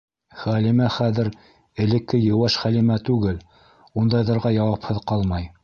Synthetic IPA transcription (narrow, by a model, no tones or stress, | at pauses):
χælimæχæðɘ̆ɾ | ɘ̆lɘ̆kːɘjɤ̆wɑʃχælimæt̪ʉɡɘl | und̪ɑjðɤ̆ɾʁɑjɑwɑphɤðqɑlˠmɑj